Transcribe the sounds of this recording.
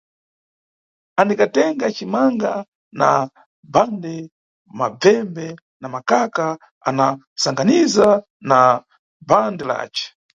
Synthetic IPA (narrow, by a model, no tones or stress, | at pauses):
anikatɛŋɡat͡ʃimaŋɡa | na | bandɛ | mab͡vɛmbɛ | namakaka | a̰na | saŋɡaniza | na | bandɛla̰ːt͡ʃɛ̥